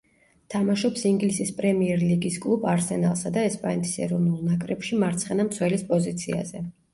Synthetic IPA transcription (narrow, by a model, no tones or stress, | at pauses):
t̪ʰamaʃɔpsiŋɡlisispʼɾɛmiɛɾliɡiskʼlˠubaɾsɛna̰lˠsad̪aɛspʼanɛt̪ʰi̥sɛ̰ɾɔvnulˠnakʼɾɛpʃimaɾt̪sʰχɛnamt̪sʰwɛlispʼɔzit̪sʰḭa̰zɛ